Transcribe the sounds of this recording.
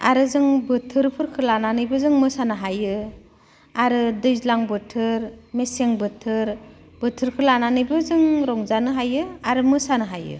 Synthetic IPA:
a̰ɾɯzɯŋbɯtʰɯɾpʰɯɾkʰɯlananɯjbɯzɯŋmɯsanɯɦajɯ | aɾɯdɯjzlaŋbɯtʰɯɾmeseŋbɯtʰɯɾ | b̥ɯtʰɯɾkʰɯlananɯjbɯzɯŋɾɔŋzanɯɦajɯaɾɯmɯsanɯɦajɯ̰

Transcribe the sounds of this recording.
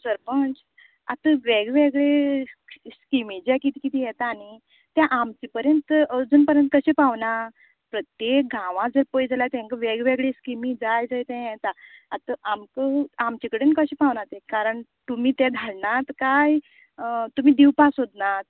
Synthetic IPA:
səɾpəɳd͡z | a̰t̪əʋeɡʋeɡɭe | skimĩd͡ʑɛkit̪iːkit̪ʰiːjɛt̪aːñi | t̪jãʔamt͡ɕipəɾjənt̪əəd͡zuːnpəɾjənt̪kəɕepaʋna | pɾət̪jek̚ɡãʋãd͡zəɾpəjd͡zalat̪ɛ̃ŋkəʋeɡʋeɡɭeskimĩd͡zajd͡zajt̪ɛ̃jɛt̪aat̪əʔamkəamt͡ɕikəɽenkəɕiːpaʋnat̪ɛ̃kaɾəɳt̪um̤iːt̪ɛ̃d̪ʱalnat̪kaj | t̪um̤iːd̪iwpasɦod̪nat̪̚

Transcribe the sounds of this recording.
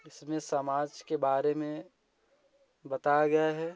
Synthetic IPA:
ɪsmẽsɐmaːd͡ʒkebaːɾemẽ | bɐt̪ajaɡɐjaɦɛː

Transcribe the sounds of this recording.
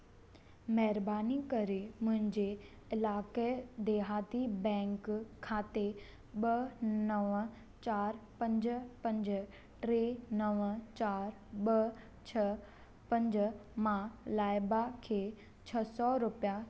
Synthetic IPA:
mɐɦɪɾbaːnikɐɾemʊ̃ɦɪ̃ɲd͡ʑe | ɪlaːked̪eːɦaːt̪ibɛ̃ːŋkʰːaːt̪e | ɓɐnɐʋə | t͡ɕaːɾpɐ̃ɲd͡ʑpɐ̃ɲd͡ʑ | ʈɾeːnəʋət͡ɕaːɾ | ɓɐ | t͡ɕʰɐ | pɐ̃ɲd͡ʑmãlaːɪbakʰeː | t͡ɕʰɐsɔɾʊpija

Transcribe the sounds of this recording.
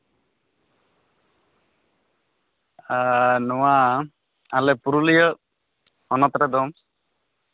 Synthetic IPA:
anɔwa | alɛpuɾulijə | ɔnɔt̪ɾɛd̪ɔm

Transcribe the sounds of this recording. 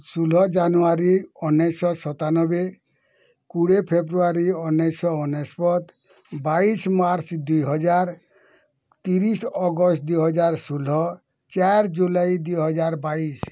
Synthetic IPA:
sulɔd͡ʒanuaɾiɔnːɔsɔsɔt̪anɔbe | kuɽepʰebɾuaɾiɔnːesɔɔnespɔt̪ | baismaɾt͡ʃd̪ujɦɔd͡ʒaɾ | t̪iɾisɔɡɔst̪̚d̪ujɦɔd͡ʒaɾsulɔ | t͡ʃaɾd͡ʒulajd̪ujɦɔd͡ʒaɾbais

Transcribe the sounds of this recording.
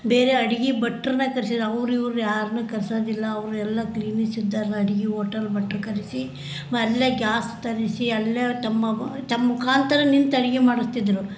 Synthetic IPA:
beːɾeɐɽiɡibɐʈːɾnɐkɐɾsid̪ɐʋɾuiʋɾujaːɾnukɐɾsoːd̪ilːɐːʋɾuɛlːɐkliːnisid̪ːaːɾnɐɐɽiɡioːʈɐɾbɐʈːɾukɐɾisi | mɐlːeɡjaːst̪ɐɾisiɐlːet̪ɐmːɐt̪ɐmmukʰaːnt̪ɐɾɐnint̪ɐɽiɡimaːɽust̪id̪ɾu

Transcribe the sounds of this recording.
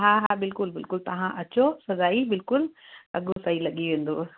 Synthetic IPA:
ɦaːɦabɪlkʊlbɪlkʊlt̪ɐʋ̤ãʔɐt͡ɕosɐzaːibɪlkʊlɐ̰ɡosaːilɐɠiʋẽːnd̪oː

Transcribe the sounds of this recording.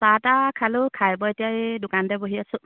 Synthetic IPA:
satakʰalʊkʰajbɔetijaidʊkandɛboɦiasʊ̃

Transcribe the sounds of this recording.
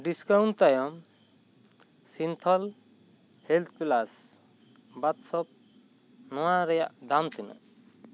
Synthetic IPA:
ɖiskawɳt̪ajɔm | sint̪ʰɔl | helt̪̚ʰpilas | bat̪sɔp̚ | nɔwaɾja̰ʔd̪amt̪ʰina̰

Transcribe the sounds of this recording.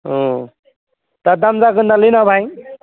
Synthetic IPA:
ɦo | t̪ad̪amd͡zakənd̪alinabʱaj

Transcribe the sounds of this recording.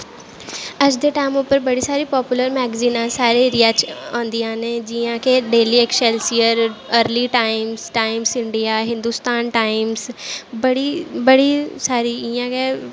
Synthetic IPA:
əd͡ʒd̪eːʈaːɪmʊpːəɾbəɽiːsaːɾiːpɔːpjʊləɾmɛːɡziːnãːsaːɾeːɾijat͡ʃãːnd̪iːãːneːd͡ʒiãːkeɖeːliːekʃɛlsijəɾəɾliːʈaːɪmsʈaːɪmsɪ̃ɳɖijaːɦɪ̃nd̪uːst̪aːnʈaːɪmsbəɽiːbəɽiːsaːɾiːɪjãːkeː

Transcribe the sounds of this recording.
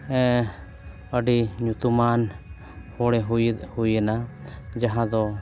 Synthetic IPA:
ɛ̃ | əɖiɲut̪uman | hɔɽɛɦhujɛnad͡ʒaɦãd̪ɔ

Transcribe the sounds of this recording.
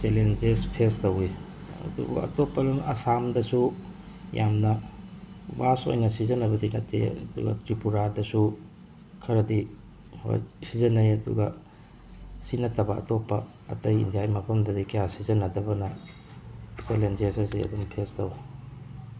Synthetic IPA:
selend͡ʒespʰestɐwi | ɐ̰dṵbṵɐ̰topːɐlumʔɐsamdɐsu | jʔamnɐ | baso̰jnɐsizɐnɐbɐdinɐtːḛɐ̰dṵɡɐ̰tɾipuɾadɐsu | kʰɐɾɐdi | ho̰jsizɐnɐjɐdṵɡɐ | sinɐtːɐbɐɐ̰topːɐ̰ː | tɐjḭndijajmɐpʰɐmdɐdikejasizɐnɐdɐbɐnɐ | selend͡ʒesɐsiɐ̰dumpʰestɐw

